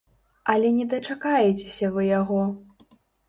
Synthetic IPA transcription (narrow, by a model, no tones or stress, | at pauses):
ɐlʲɛnʲɛd̪ɐt͡ʂakajɛt͡sʲe̥sʲɐvɨjaɣɔ